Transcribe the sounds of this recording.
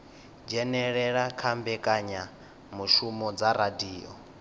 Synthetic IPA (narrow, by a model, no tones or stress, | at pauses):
d͡ʒɛnɛɺɛɺakʰambɛkʼaɲa | muʃumɔd͡zaɾadiːɔ̰